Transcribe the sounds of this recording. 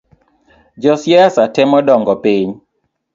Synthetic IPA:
d͡ʒɔsjɛasatɛmɔdɔŋɡɔpiɲ

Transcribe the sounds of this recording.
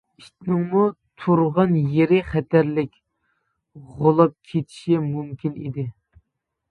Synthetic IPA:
iʃt̪nɪŋmut̪ʰuɾʁɑnjeɾɪχɛt̪ʰæɾlɪkʲ | ʁolˠɑp̚kʲʰet̪ʰi̥ʃimumkʲinḭd̪ɪ

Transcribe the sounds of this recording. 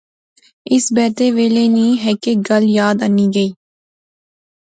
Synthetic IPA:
ɪsbɛːt̪eʋeːleːnĩːɦɛːkeɡəljaːd̪əniːɡəiː

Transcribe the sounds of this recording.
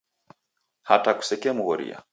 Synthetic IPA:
hataku̥sɛkɛamuɣɔɾḭa̰

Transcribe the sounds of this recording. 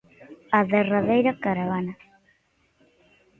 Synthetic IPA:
aðeraðejɾakaɾaβana

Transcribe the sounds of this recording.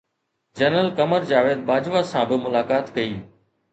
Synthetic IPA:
d͡ʒənəlkɐməɾd͡ʑaːʋeːd̪̚baːd͡ʑʋasãːbɪmʊlaːkaːt̪kɐiː

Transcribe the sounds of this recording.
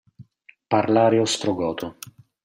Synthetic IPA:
parlaːɾeɔst̪ɾoɡɔːt̪o

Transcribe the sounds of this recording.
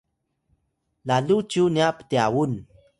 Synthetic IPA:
laɮut͡ɕuniapə̥tiawun

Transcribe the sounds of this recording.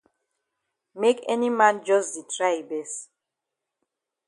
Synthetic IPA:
mekɛ̰nimãnd͡ʒɔsditʰɹajbɛs

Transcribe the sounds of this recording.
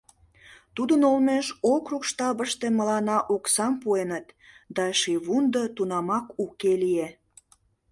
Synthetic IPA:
t̪ud̪ənolmeʃokrukʃt̪ɑβəʃt̪eməlɑnɑʔuksɑmpuenət̪ | d̪ɑʃiβund̪ot̪unɑmɑkukelie

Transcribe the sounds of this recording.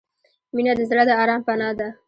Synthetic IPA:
minad̪əzɾad̪əɑɾɑmpanɑd̪a

